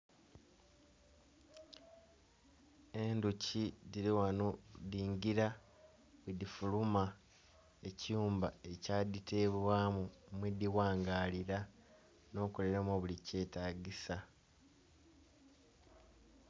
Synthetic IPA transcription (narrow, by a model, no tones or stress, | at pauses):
e̞nducidiɾiwanodiːɲɟiɾa | wedifuluma | eciuːmbae̞caːditʰe̞βwaːmumwediwaːŋɡaːliɾa | no̞ːkole̞ɾamoβulice̞ːtaːɟisa